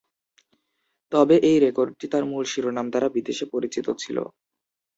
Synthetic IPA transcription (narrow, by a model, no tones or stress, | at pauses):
t̪ɔbeʔejɾekoɾɖ̚ʈit̪aɾmulʃiɾonamd̪aɾabid̪eʃepoɾit͡ɕit̪ot͡ɕʰilo̰